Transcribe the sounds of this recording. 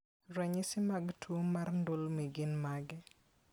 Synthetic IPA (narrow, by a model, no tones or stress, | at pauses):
ɾɛɲɪsɪmaɡtʰomarndʊlmiɡɪnmaɡɛ